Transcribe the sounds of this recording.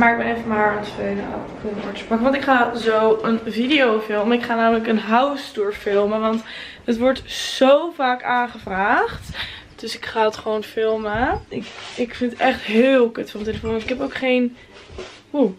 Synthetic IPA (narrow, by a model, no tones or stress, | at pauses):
maːɹɪk̚məefəmaːɹənfena̰ | fumɔ̰ɹtəsprɑkəʋɑntɪkχaːzowənvidijowfɪlˠmɪkχaːnaːmələkənɦawsdʊːɹfɪlˠməʋɑnt | ətʋɔɹtz̥owvaːkaːnχəvraːχt | d̥ɵsɪkχaːtχəʋownfɪlˠməɪkɪkfɪnətɛχtɦɪːlˠkətfɔmteləfonnɪkɛpowkχejn | u